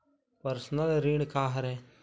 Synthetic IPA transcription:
pəɾsnəlɾiɽ̃kaːɦɾɛː

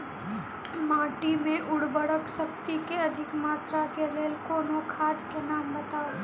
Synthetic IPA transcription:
maːʈimẽʔʊɽbəɽəkʃɐkt̪ikeɐd̪ʱɪkmaːt̪ɾakeleːlkoːnokʰaːd̪kenaːmbɐt̪aː

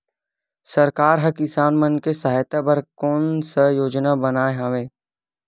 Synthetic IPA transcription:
səɾkaːɾɦɐkɪsaːnmənkesɐɦajt̪abɐɾkɔːnsəjoːd͡ʒnabənaːeɦãːʋeː

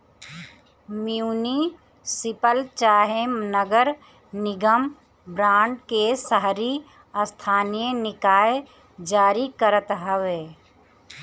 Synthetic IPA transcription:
mijuːni | sɪpəlt͡ʃaːɦemnəɡəɾ | nɪɡəm | bɾãːɳɖkesəɦɾi | əst̪ʰaːnijənɪkaːe | d͡ʒaːɾikəɾət̪ɦəweː

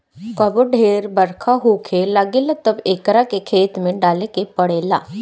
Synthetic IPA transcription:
kɐbəɖʱeːɾbəɾkʰaɦoːkʰelaɡeːlat̪ɐbeːkɾakekʰeːt̪mẽɖaːlekepɐɽeːla̰ː

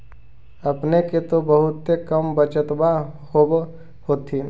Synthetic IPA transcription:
ɐpneket̪obəɦʊt̪ːekəmbət͡ʃət̪bahob | hoːt̪ʰi

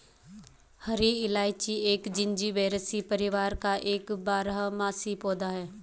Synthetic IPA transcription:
hɐɾiɪlaːɪt͡ʃieːkd͡ʒɪ̃ɲd͡ʒiʋeːɾəsipəɾɪʋaːɾkaʔeːkbaːɾɦmaːsipoːd̪aɦɛː

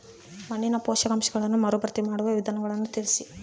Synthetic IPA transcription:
mɐnːinɐpɔːʃɐɡɐmʃɐɡɐɭɐnːumɐɾubɐɾt̪imaːɽuʋɐʋid̪ʱaːnɐɡɐɭɐnːut̪iɭisi

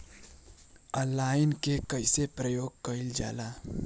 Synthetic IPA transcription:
əlaːɪnkekəɪsepɾəjoːɡ̚kəɪld͡ʒa̰ːlaː

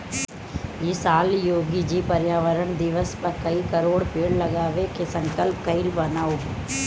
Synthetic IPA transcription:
jisaːljoːɡid͡ʒiːpɐɾjaːʋəɾəɳd̪ɪʋəspɐɾkɐikɐɾoːɽpeːɽlɐɡaːʋekesɐ̃ŋkəlpkɐilbɐnao

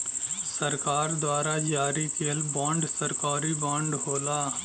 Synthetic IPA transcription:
sɐɾkaːɾd̪waːɾad͡ʒaːɾikeəlbãːɳɖsɐɾkaːɾibãːɳɖɦoːlaː

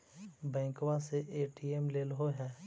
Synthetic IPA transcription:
bɛ̃ːkwaseʔeːʈiːemleːlɦoɦɛː

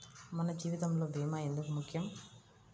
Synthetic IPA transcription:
mɐnɐd͡ʒiːʋid̪ɐmloːbʱiːmaːend̪ukumukʰːɪjɐm

